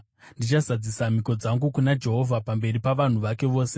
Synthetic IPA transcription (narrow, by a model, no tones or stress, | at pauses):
ndit͡ʃazad͡zisamiko̞d͡zaŋɡukunad͡ʒe̞ɦo̞vʱapambe̞ripaʋan̤uʋake̞ʋo̞ːse̞